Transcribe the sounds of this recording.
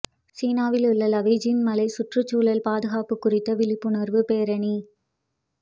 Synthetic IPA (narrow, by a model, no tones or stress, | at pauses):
siːnaːʋɪlʊɭːɐlɐʋɐd͡ʒnmɐlɐɪsʊʈrɯt͡ʃːuːlɐlpaːðɯɣaːpɯkːʊrɪt̪ːɐʋɪlɪpːɯɳɐɾʋɯpeːɾɐɳi